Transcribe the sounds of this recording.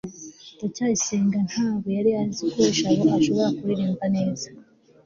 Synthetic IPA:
acaːiseːŋɡan̥haːβojaɾijazikuɾeʃaβoaʃo̞βo̞ɾakuiɾiːmbane̞ːzḁ

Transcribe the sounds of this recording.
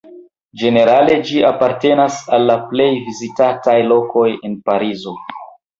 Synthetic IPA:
d͡ʒe̞ne̞ɾale̞d͡ʒiapaɾte̞nasalːaple̞jvizitatajlo̞ko̞je̞npaɾizo̞

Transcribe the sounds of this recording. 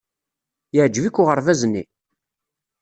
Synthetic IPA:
jəʕd͡ʒvikːʊʁəɾvæznːḭ

